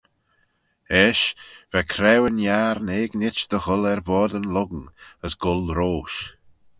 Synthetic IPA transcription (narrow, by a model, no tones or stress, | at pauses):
ɛʃvɛkʰɾɛwənjaɾneːɡnɪt͡ʃd̪̥əɣʊlɛɾvɔːɹd̪ənlʊɡŋəsɡ̥ʊlɾoːʃ